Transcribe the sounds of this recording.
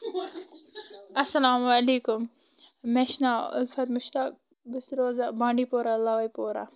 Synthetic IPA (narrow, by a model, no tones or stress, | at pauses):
ɐsɐlaːmwaliːkʊmː | eʃnaʊ̰lfɐt̪mʊʃt̪aːk̚ | bɪsɾoːzabãːɳɖiːpoːɾalɐʋɐjpoːɾa̰